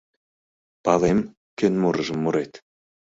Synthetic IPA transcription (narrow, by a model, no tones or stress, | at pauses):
pɑlem | kønmuɾəʒə̆mːuɾet̪